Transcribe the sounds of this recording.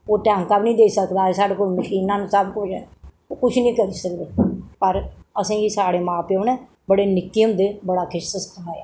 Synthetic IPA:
oːʈɛ̃ːŋkaːbnĩːd̪eːsəkd̪aːesaːɽeːkoːlməʃiːnãːnũːsəbkʊt͡ʃʰɛ̰ː | oːkʊt͡ʃʰnĩːkəɾiːsəkd̪eːpəɾəsẽːɡiːsaːɽeːmãːpjoːnɛ̃ː | bəɽeːnɪkːiːəmd̪eːbəɽaːkʰɪʃsəst̪ʰaaːjaː

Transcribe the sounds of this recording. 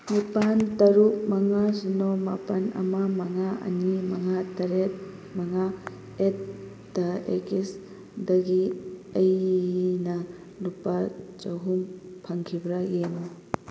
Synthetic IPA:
nipantɐɾuk̚mɐŋasinomapɐnɐ̰mamɐŋaʔɐ̰nimɐŋatɐɾet̚ | mɐŋa | et̚ | dɐḛkes | dɐɡiɐjnɐ | lupat͡ʃɐɦumpʰɐŋkʰibɾajeno

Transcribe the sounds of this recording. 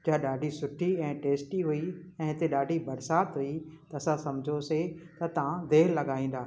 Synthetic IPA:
d͡ʒaːɗaːɖʱisʊʈʰiɛ̃ːʈeːsʈiɦuiɛ̃ːɦɪt̪eɗaːɖʱibɐɾsaːt̪ɦuit̪ɐɐsãsɐmd͡ʑʱoset̪ɐt̪ɐ̤ãd̪eːɾlɐɠaːĩːn̆d̪aː

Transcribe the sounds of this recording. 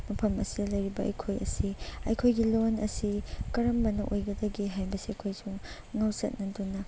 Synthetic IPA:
mɐpʰɐmɐ̰sidɐlɐjɾibɐʔɐ̰jkʰojɐ̰siɐjkʰojɡilonɐsikɐɾɐmbɐnɐʔojɡɐdɐɡiɦajbɐsiɐkʰojsuŋ | ŋawsɐ̰t̚nɐdunɐ

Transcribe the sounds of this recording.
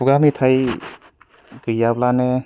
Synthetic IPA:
uɡamitʰaj | ɡɯjablane

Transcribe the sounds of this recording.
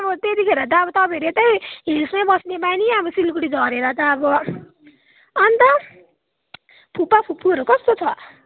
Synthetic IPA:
ʌbʌt̪et̪ikʰeɾʌt̪aːbʌt̪ʌbeɾet̪ʌjɦilsmabʌsnebajniabʌsilkuɽid͡zʌɾeɾat̪aːbʌ | ʌnt̪ʌ | pʰupapʰupʰːuʌɾokʌst̪ot͡sʰʌ

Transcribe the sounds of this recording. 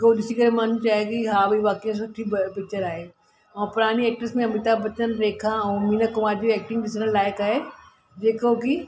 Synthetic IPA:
kodɪsikɐɾemaːnũt͡ʃaːɦekiɦaːbʱiʋaːkijãs̬ʊʈʰːibpɪk̚t͡ʃəɾaːɦeː | ɔ̃ːpʊɾaːniɛːk̚ʈəɾsmẽɐmɪt̪abɐt̪ənɾeːkʰãʊmiːnəkʊʋaːɾd͡ʒoɛːk̚ʈɪ̃ŋɡɖɪsnəllaːɪkaːɦe | d͡ʒeːkoki

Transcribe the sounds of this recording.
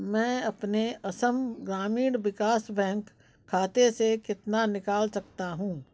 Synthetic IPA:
mɛ̃ːɐpneɐsəmɡɾaːmiːɽʋɪkaːsbɛ̃ːŋkʰː | aːt̪esekɪt̪nanɪkaːlsɐkt̪aɦũː

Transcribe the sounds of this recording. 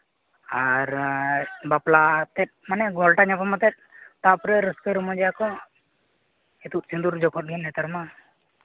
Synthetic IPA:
aɾ | baplat̪ɛt̪̚manɛɡɔlʈaɲapamat̪ɛt̪̚ˀt̪apɾɛɾəskəɾɔmɔd͡ʒɛjakɔ | ɛt̪ut̪̚sind̪uɾd͡ʒɔkʰɔt̪̚ɡinɛt̪aɾma

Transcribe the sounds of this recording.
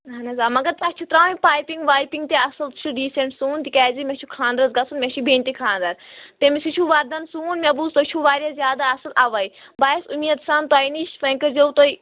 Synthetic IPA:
ɦɐnɐzaːmɐɡɐɾt̪ɐt͡ʃʰit̪ɾaːipaːjpiŋɡʋaːjpiŋɡt̪eɐsɐlt͡ʃʰuɖiːseɳʈsuːnt̪ikʲaːzimʲet͡ʃʰukʰãːnd̪ɾɐzɡɐsʰunmʲet͡ʃʰubʱeːnt̪ikʰãːnd̪ɐɾt̪emisit͡ʃʰuʋaɾd̪ɐnsuːnmʲebuːzt̪ot͡ʃʰuʋaːɾʲjaːzjaːd̪aːɐsɐlaːʋɐibaːjsumiːɐt̪saːnt̪aːjniʃfɐ̃ŋkɐɾzout̪oi

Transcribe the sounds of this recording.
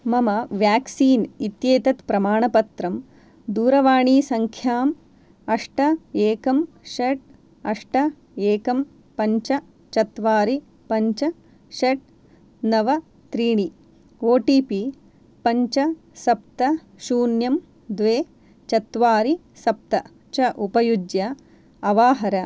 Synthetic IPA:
mɐmɐʋjaːksiːnit̪jeːt̪ɐt̪pɾɐmaːɳɐpɐt̪ɾɐm | d̪uːɾɐʋaːɳiːsɐŋkʰjaːm | ɐʂʈɐeːkɐm | ʃeʈ̚ | ɐʂʈɐ | eːkɐm | pɐɲt͡ʃɐ | t͡ʃɐt̪ʋaːɾi | pɐɲt͡ʃɐ | ʃeʈ̚ | nɐʋɐ | t̪ɾiːɳi | oːʈiːpi | pɐɲt͡ʃɐ | sɐp̚t̪ɐ | ʃuːnjɐm | d̪ʋeː | t͡ʃɐt̪ʋaːɾi | sɐp̚t̪ɐ | t͡ʃɐʔupɐjud͡ʒjɐ | ɐʋaːɦɐɾɐ

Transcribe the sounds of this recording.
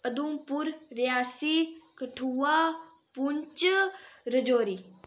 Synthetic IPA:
ɐd̪ũːpʊɾɾijaːsi | kɐʈʰuːaː | puɲt͡ʃ | ɾəd͡ʒoːɾiː

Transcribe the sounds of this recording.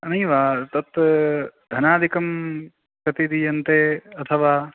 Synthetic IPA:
ɐnɐjʋaːt̪ɐt̪ | d̪ʱɐnaːd̪ʱikɐm | kɐt̪id̪ijɐnt̪eːɐt̪ʰɐʋaː

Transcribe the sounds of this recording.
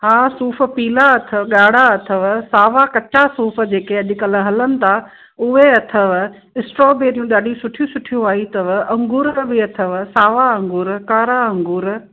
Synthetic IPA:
ɦaːsuːfə̆piːlaɐt̪ʰəɠaːɽaɐt̪ʰəʋsaːʋakɐt͡ɕasuːfə̆d͡ʑeːkeɐʄ̆kɐl̆ɦɐlənɪ̆t̪ʰa | ʊɦeɐt̪ʰəʋ | ɪsʈɾɔːbeːɾijũɗaːɗisʊʈʰijũsʊʈʰijũaːɦit̪ɐʋɐ̃ŋɡuːɾbɪɐt̪ʰəʋsaːʋaɐ̃ŋɡuːɾkaːɾaɐ̃ŋɡuːɾ

